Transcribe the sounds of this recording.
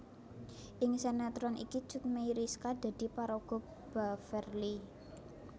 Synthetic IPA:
ʔɪŋsenat̪ɾɔnʔḭki̥t͡ʃut̪̚meiɾiskad̪̥a̤d̪̥i̤paɾoɡ̥ɔ̤ | b̥afɛrli

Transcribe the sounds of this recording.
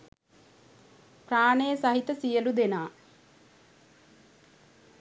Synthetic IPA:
praːɳejəsɐɦit̪ɐsijəlud̪enaː

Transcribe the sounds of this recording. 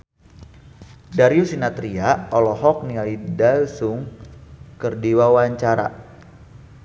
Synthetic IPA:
daɾiusinat̪ɾiaɔlɔhɔk̚niaidalsʊŋ | kərdiwawaɲt͡ʃaɾa̰

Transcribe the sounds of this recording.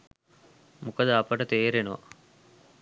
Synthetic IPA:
mukɐd̪ɐɐpɐʈɐt̪eːɾenoʋɐ̰

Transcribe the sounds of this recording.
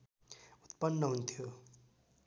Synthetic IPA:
ut̪̚pʌnːʌɦunt̪ʰjo

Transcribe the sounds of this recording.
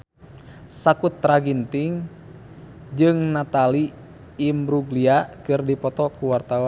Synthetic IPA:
sakut̪ːɾaɡint̪iŋ | d͡ʒɨŋnat̪aliː | mɾuɡliakɨrdipɔt̪ɔkuwart̪awɔn

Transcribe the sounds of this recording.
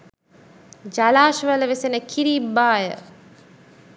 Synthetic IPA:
d͡ʒalaːʃʋələʋesenəkʰiɾiːbːaːjə

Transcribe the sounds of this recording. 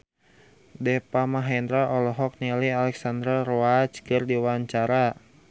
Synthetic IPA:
dɛpamaɦɛnd̪ɾaʔɔlɔɦɔk̚nɛlialɛksand̪ɾaroat͡ʃkɨrdiwaɲt͡ʃaɾa

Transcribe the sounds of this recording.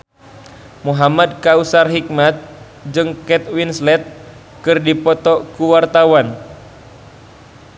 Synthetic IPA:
muɦamad̚kausarɦik̚mat̪̚ | d͡ʒɨŋkɛt̪̚winslɛt̪̚ | kɨrdipɔt̪ɔkuwart̪awan

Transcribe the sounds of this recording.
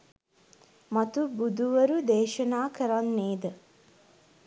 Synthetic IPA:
mat̪ubud̪ʱuʋəɾud̪eːʃənaːkəɾanːeːd̪ə

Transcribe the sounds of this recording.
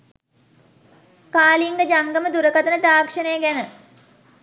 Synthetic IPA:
kaːliŋɡəd͡ʒaŋɡəməd̪uɾəkat̪ənəd̪aːkʂənəjəɡænə

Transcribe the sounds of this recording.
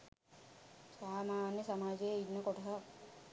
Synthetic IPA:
saːmaːnjəsɐmaːd͡ʒeːidnːɐkɔʈʰɐ

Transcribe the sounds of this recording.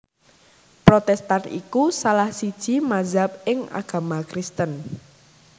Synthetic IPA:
pɾot̪ɛst̪anʔḭkusalahsid̥ʒ̥i̤mazap̚ɪŋʔa̰ɡ̥a̤makɾɪst̪ən

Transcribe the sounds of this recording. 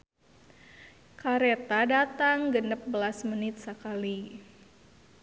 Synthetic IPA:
kaɾet̪adat̪aŋɡənəp̚bəlasmənɪt̪̚səkali

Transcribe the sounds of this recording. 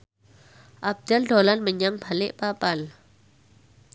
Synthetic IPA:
ʔab̚d̪aldolanməɲaŋb̥alɪʔpapal

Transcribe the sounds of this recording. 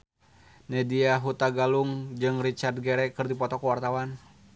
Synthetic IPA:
nɛdiaɦut̪aɡaluŋd͡ʒɨŋrit͡ʃard̚ɡɛɾɛkɨrdipɔt̪ɔkuwart̪awan

